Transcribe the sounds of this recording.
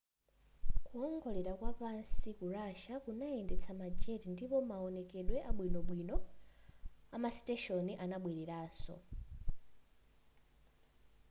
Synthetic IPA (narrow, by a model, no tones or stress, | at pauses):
kuɔŋɡɔlɛɾakwapansikuɾaʃakunaɛndɛt͡sʰamad͡ʒɛtindipɔmaɔnɛkɛɗwɛʔaɓwinɔɓwinɔ | amasi̥tɛʃɔniʔanaɓwiɾiɾaːsɔ̰